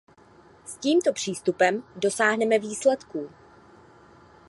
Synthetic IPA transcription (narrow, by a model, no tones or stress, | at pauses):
sciːmt̪o̞pr̝̥iːst̪upɛmdo̞saːɦnɛmɛviːslɛt̪kuː